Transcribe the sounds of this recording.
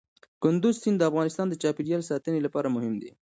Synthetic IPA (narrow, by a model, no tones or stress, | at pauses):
kʊnd̪ʊzsind̪əafɣɑnɪst̪ɑnd̪ət͡ʃɑpiɖijɑlsɑt̪ənelapɑɾamʊɦɪmd̪ḛ